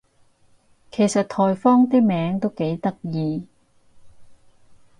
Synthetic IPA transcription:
kʰe˨˩jsɐ˨t̚t̪ʰɔː˨jfɔː˥ŋt̪iː˥mɛː˨˥ŋt̪o˥wke˨˥jt̪ɐ˥k̚jiː˨˧

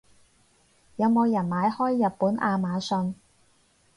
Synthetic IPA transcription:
jɐ˨˧wmo˨˧wjɐ˨˩nmaː˨˧jhɔː˥jːɐ˨t̚puː˨˥nʔaː˧maː˨˧sɵ˧n

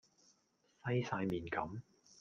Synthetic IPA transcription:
sɐ˥jsaː˧jmiː˨nkɐ˨˥m

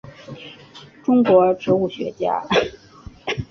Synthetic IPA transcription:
ʈ͡ʂʊ˥ŋkwɔ˧˥ʈ͡ʂʰɤ˧˥u˥˩ɕɥɛ̰˧˥t͡ɕja̰˥

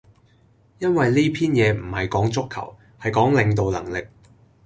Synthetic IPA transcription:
jɐ˥nwɐ˨jliː˥pʰiː˥njɛː˨˧m̩˨˩hɐ˨jkɔː˨˥ŋt͡sʊ˥kʰːɐ̰˨˩w | hɐ˨jkɔː˨˥ŋlɪ˨˧ŋt̪o˨wlɐ̰˨˩ŋlɪ˨k̚

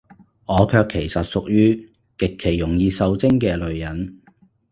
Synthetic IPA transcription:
ŋɔː˨˧kʰœː˧kʰːe˨˩jsɐ˨t̚sʊ˨k̚jyː˥ | kɪ˨kʰːe˨˩jːʊ˨˩ŋjiː˧sɐ˨˧wt͡sɪ˥ŋkɛː˧lɵ˨ɥjɐ˨˥n

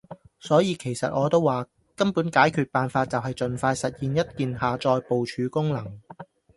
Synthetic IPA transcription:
sɔː˨˥jiː˨˧kʰe˨˩jsɐ˨t̚ʔɔː˨˧t̪o˥wːaː˨ | kɐ˥mpuː˨˥nkaː˨˥jkʰyː˨t̚paː˨nfaː˧t̚t͡sɐ˨wɦɐ˨jt͡sɵ˨nfaː˧jsɐ˨t̚jiː˨njɐ˥t̚kiː˨nhaː˨t͡sɔː˧jpo˨wt͡ʃʰyː˨˧kʊ˥ŋlɐ˨˩ŋ

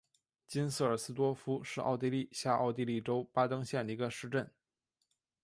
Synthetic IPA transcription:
t͡ɕi˥nsɹ̩˥˩ə˞˨˩sɹ̩˥t̪wɔ˥fu˥ʂɻ̩˥˧ʔɑ̰˥˧ʊt̪̬i˥˧li˥˩ɕja˥˧ʔɑ̰˥˧ʊt̪i˥˧li˥˩ʈ͡ʂo˥ʊpa˥t̪ɤ˥ŋɕjɛ˥˩nd̪ə˩i˧˥ɡə˧ʂɻ̩˥˧ʈ͡ʂə˥˩n

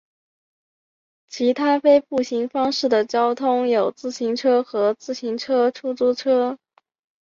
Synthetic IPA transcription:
t͡ɕʰi˧˥t̪ʰa˥fe˥ɪpu˥˩ɕi˧˥ŋfɑ˥ŋʂɻ̩˥˩d̪ə˩t͡ɕjɑ˥ʊt̪ʰʊ˥ŋjo˨˩ʊt͡sɹ̩˥˩ɕi˧˥ŋʈ͡ʂʰɤ˥xɤ˧˥t͡sɹ̩˥˩ɕi˧˥ŋʈ͡ʂʰɤ˥ʈ͡ʂʰu˥t͡su˥ʈ͡ʂʰɤ˥

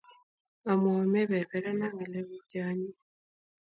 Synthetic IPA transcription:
a˨mome˦βe˨βe˨ɾa˦na˦ŋɡi˨le˦βu˦ɟaː˦ɲi˦

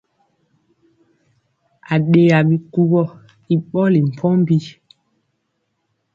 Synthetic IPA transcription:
a˨ɗe˨a˨ɓi˨ku˦bɔ˦ | i˨ɓɔ˦li˨m̩˨pʰɔ˦m˦bi˦

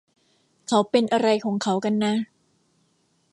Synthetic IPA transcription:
kʰa˨˥wpe˧nʔa˧ɾa˧jkʰɔː˩˦ŋkʰa˨˥wka˧nːa˦˥

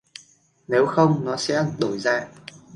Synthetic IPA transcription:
ne˨˦wxə˧wŋ͡mnɔ˨˦sɛ̰˧˥ɗo˧˩jza̰ː˧˨ʔ

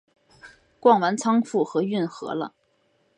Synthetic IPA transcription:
kwɑ˥˩ŋwa˧˥nt͡sʰɑ˥ŋfu˥˩xɤ˧˥y˥˩nxɤ̰˧˥lə̰˧

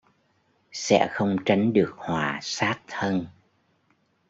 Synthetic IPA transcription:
sɛ̰˧˥xə˧wŋ͡mt͡ɕa˨˦jŋ̟ɗɨ˨˩ək̚hwaː˨˩saː˦˥t̚t̪ʰə˧n

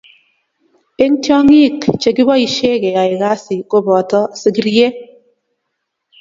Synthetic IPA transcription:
e˦ŋ˦tjɔ˦ŋi˦˨kt͡ʃe˨kɪ˦bɔ˦i˨ʃe˦ke˨a˨ɪ˨ɡa˦sɪ˨ko˦bɔ˨tɔ˦sɪ˨ɡi˦ɾje˦

